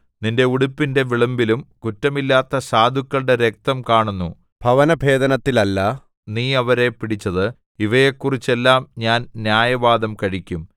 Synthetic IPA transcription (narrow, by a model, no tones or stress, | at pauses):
ninde̞uɽupːinde̞ʋiɭɐmbilumkutːɐmilːaːt̪ːɐsaːd̪ʱukːɐɭɽe̞ɾe̞k̚t̪ɐmkaːɳunːu | bʱɐʋɐnɐbʱe̞ːd̪ɐnɐt̪ːilɐlːɐ | niːɐʋɐɾe̞piɽit͡ɕːɐðɨ | iʋɐjekːurit͡ɕːe̞lːaːmɲaːnnjaːjɐʋaːd̪ɐmkɐɻikʲːum